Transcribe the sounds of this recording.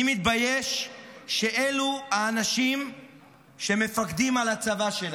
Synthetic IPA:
mit̪̚bajeʃː | eʔeluhaːnaʃim | ʃe̞me̞fakd̪imalat͡savaʃela

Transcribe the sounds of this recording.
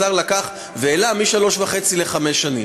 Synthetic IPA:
aʁlakaχ | veːlamiʃalo̞ʃvaχe̞t͡sile̞χame̞sʃːanḭm

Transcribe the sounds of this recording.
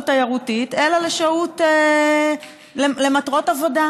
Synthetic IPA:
tajaʁutitelaleʃaute | lele̞matʁo̞tavo̞da

